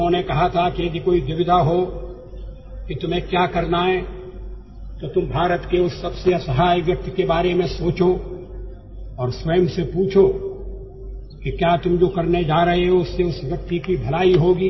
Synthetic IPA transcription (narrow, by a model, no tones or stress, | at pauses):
õnekɐɦat̪ʰakijed̪ʱikoːid̪ɪʋɪd̪ʱaɦo | kit̪ʊmẽkjaːkɐɾnaɦɛ̃ | t̪ot̪ʊmbʱaːɾət̪keʊsːɐbseɐsəɦaːjɡɐt̪kebaːɾemẽsoːt͡ʃo | ɔːɾswɐjəmsepuːt͡ʃʰo | kikjaːt̪ʊmd͡ʒoːkɐɾned͡ʒaːɾɐɦeɦoʊsːeʊsʋjɐk̚t̪ikibʱɐlaːiɦoːɡiː